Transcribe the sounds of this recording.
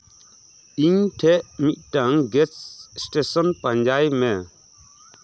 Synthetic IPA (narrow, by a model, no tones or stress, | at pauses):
iɲʈʰɛʔmit̪̚ˀʈaŋɡɛt͡ʃsʈesɔnpaɲd͡ʒajmɛ